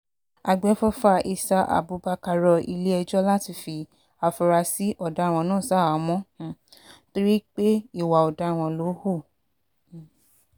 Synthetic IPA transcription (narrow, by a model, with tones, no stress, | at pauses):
a˧ɡ͡bɛ˨˦fɔ˦fa˦ʔi˧sa˧ʔa̰˨bu˨˦ba˧ka˧ɾɔ˧ḭ˧le˦ɛ˧d͡ʒɔ˦la˦ti˧˦fi˧ | a˨fɔ˧ɾa˧si˦ʔɔ˨da˨˦˨w̃ɔ̃˧nãː˦˨sa˨˦a˨mɔ̃˦˨to˦ɾi˦k͡pe˦i˦˨wa˨ɔ˨da˨˦˨w̃ɔ̃˧lo˨˦ho˦˨